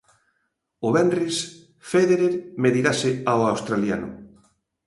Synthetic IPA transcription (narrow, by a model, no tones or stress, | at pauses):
ʊβɛnris | feðeɾeɾmeðiɣasɪawawst̪ɾalja̰nʊ̰